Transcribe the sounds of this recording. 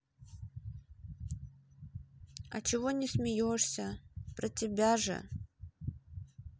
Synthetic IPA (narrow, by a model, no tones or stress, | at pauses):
ɐ̰t͡ɕɪvonʲɪsmʲɪjoʂsʲəpɾətʲɪbʲaʐɨ̰